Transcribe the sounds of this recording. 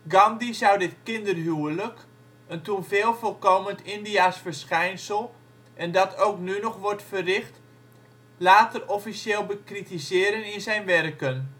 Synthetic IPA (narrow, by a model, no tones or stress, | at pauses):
ɡɑmdizɔwdɪtkɪndərɦyələk | əntunveːlˠfɔlˠkoːməntʰɪndiasfərsxɛjnsəlˠ | ʔɛndɔtʰowknynɔxʋɔrtfərɪxt | laːtərɔfisjeːlˠbəkritisɪːɾənɪnzɛjnʋɛrkən